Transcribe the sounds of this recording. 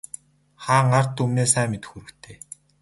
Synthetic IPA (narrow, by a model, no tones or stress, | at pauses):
χaːŋar̥t̪umneːsæːmet̪ɘ̆xuɾɘ̆kt̪ʰeː